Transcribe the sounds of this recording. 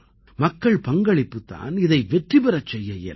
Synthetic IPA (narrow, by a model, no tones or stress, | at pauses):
mɐkːɐɭpɐŋɡɐɭɪpːɯt̪ːa̰ːnɪðɐɪʋɛʈribɛɾɐt͡ʃːɛjːɐjɐ̰